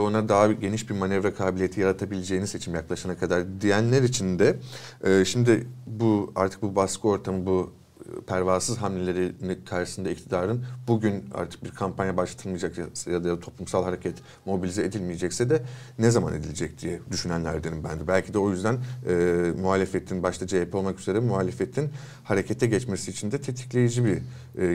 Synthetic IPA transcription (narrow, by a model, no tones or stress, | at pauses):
o̞nad̪aɦaɟe̞niʃbiɾmanɛvɾakʰaːbilʲijet̪ʰijaɾat̪ʰabilʲed͡ʒe̞ːinise̞t͡ʃʰimjaklˠaʃanakʰad̪aɾd̪ijænlʲæɾit͡ʃʰind̪ɛɛːʃimd̪ɪbua̰ɾt̪ʰɯ̥k̚bubaskʰɯo̞ɾt̪ʰamɯbu | pʰæɾvaːsɯzɦamnʲelʲe̞ɾinikʰaɾʃɯ̥sɯnd̪aic̚t̪ʰid̪aːɾɯnbuɟyna̰ɾt̪ʰɯ̥k̚biɾkʰampʰanjabaʃlˠat̪ʰɯlˠmɯjd͡ʒakjjad̪ajad̪at̪ʰo̞plˠumsalˠhaɾe̞cʰɛt̪ | mo̞bilʲizɛed̪ilʲmijed͡ʒɛcsɛd̪ɛnɛzama̰ne̞d̪ilʲed͡ʒɛc̚d̪ijɛd̪yʃynænlʲæ̰ɾd̪enimbænd̪ɛbælʲcʰid̪ɛo̞jyzd̪ænɛːmuɦaːlʲefet̪ʰinbaʃt̪ʰad͡ʒajepɛo̞lˠmakyze̞ɾɛmuɦaːlʲefet̪ʰin | haɾecʰet̪ʰɛɟɛt͡ʃmesiːt͡ʃʰind̪ɛt̪ʰe̞t̪ʰi̥clʲe̞jid͡ʒibiɾ